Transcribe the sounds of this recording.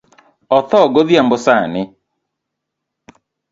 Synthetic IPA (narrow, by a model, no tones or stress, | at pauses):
ɔθɔɡoðiambosanɪ